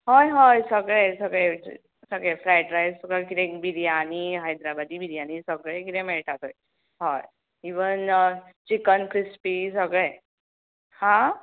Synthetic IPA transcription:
ɦojɦɔjsəɡɭesəɡɭe | səɡɭefɾajʈɾajəɡakiɾẽkbiɾijaniɦajd̪ɾabad̪ibʱiɾjanisəɡɭẽkiɾɛ̃mɛɭʈʰat̪oj | ɦɔj | iʋənt͡ɕikənkɾispis̬əɡɭe | hã

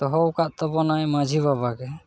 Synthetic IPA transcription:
t̪ɔɦɔwkaʔ̪̚t̪ɔpɔnajmad͡ʒʱibabaɡɛ

